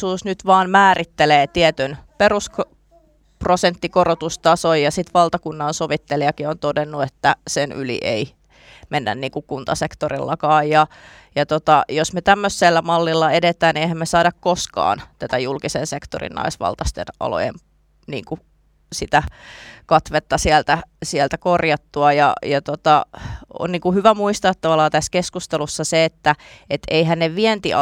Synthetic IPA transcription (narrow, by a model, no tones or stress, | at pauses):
uːsnyt̪ʋɑːnmæːrit̪ːeleːt̪iɛt̪ynperusk | prosent̪ːikorot̪ust̪ɑsojjɑsit̪ʋɑlt̪ɑkunːɑnsoʋit̪ːeliɑkiont̪odenːuet̪ːæsenʔylḭʔḛi | menːæ̰nniːŋkukunt̪ɑsekt̪oɾḭlːɑkɑːjjɑ | jɑt̪ot̪ɑjosmet̪æmːøsːelːæmɑlːilːɑedet̪æːnieihæmmesɑːdɑkkoskɑ̰ːnt̪æt̪æjulkisensekt̪o̰rḭnnɑ̰isʋɑ̰lt̪ɑst̪ḛnɑ̰lo̰jḛm | nḭːŋku | sit̪ækɑt̪ʋet̪ːɑsiɛlt̪æsiælt̪ækorjɑt̪ːuɑjɑ̰jɑt̪ot̪ɑo̰nniːŋkuhyʋæmuist̪ɑːt̪ːɑʋɑlɑːt̪æskeskust̪elusːɑseet̪ːæet̪eiɦænneʋʋient̪i